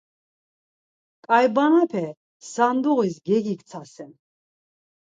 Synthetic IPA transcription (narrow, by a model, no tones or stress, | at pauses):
kʼajbanapʰɛ | sand̪uʁis̬ɡɛɡikt̪t͡s̪ʰasɛn